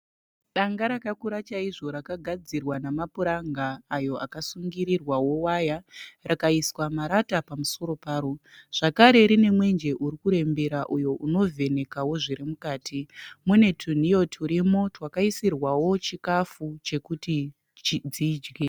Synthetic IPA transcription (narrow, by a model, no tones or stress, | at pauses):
ɗaŋɡaɾakakuɾat͡ʃaiʐo̞ɾakaɡʱad͡zirwanamapuɾaŋɡaːjo̞ʔa̰kasuŋɡiɾirwawo̞wajarakaiswamaɾatapamuso̞ɾo̞paːɾoʐ̥akaɾe̞ɾine̞mwe̞nd͡ʒe̞ʔuɾikuɾe̞mbe̞ɾaʔujo̞ʔuno̞vʱe̞ne̞kawo̞ʐiɾimukaːtʰimune̞tʰun̤ijo̞tʰuɾimo̞twakaisirwawo̞t͡ʃikafut͡ʃe̞kuti | t͡ʃid͡zid͡ʒɡe